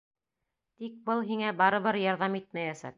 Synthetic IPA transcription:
t̪ik̚bɤlˠɦiŋæbɑɾɤ̆βɤɾjɑɾðɑmit̪̚mæjæsæ̰k̚

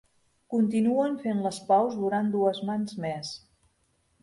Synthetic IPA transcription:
kunt̪inuənfenləspɔwzðuɾand̪uəzmanzmes

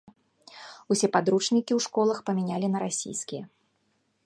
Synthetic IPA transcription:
usʲɛpad̪ɾut͡ʂnʲikʲiwʂkɔlˠɐxpɐmʲinʲalʲinɐɾasʲḭjskʲijɐ

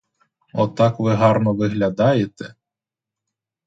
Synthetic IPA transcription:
ɔt̪ɑkʋɪɦɑrnɔʋɪɦlʲad̪ɑjet̪ɛ

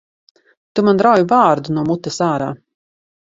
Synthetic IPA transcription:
t̪umand̪ɾawjvaːɾd̪unuɔmut̪ɛsaːɾa̰ː

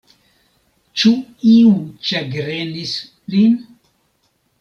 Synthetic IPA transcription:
t͡ʃuiut͡ʃeɡɾenis | lin

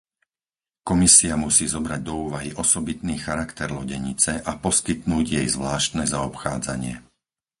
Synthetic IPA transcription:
kɔmisiamusiːzɔbɾaɟ̚d̪ɔuːʋaɦiʔɔsɔbit̪niːxaɾakt̪ɛɾlɔɟɛɲit͡sɛʔapɔskit̪nuːɟjɛjzʋlaːʃt̪nɛzaɔpxaːd͡za̰ɲɪɛ

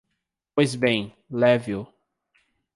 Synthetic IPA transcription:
pojzbẽj̃ | lɛvjʊ

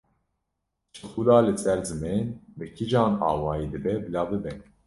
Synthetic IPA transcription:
t͡ʃʰɨxulaːlɨsɛɾzɨmenbɨkʰid͡ʒɑːnɑ̰ːwɑːjid̪ɨbɛbɨlɑːbɨbɛ

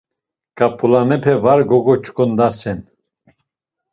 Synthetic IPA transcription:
kʼapʰʼulanɛpʰɛvaɾɡɔɡɔt͡ʃʼkʼɔnd̪asɛn

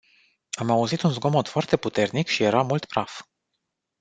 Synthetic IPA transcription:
amauzit̪unzɡo̞mot̪foart̪e̞put̪e̞rnikʃije̞ɾamult̪pɾaf

